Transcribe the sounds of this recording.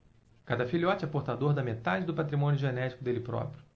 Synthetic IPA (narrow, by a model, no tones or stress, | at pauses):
kad̪ɐfiliɔt͡ʃɛpoɾt̪ad̪oɾd̪ɐmet̪ad͡ʒɪd̪ʊpat̪ɾimõnjʊʒenɛt͡ʃi̥kʊd̪elɪpɾɔ̰pɾjʊ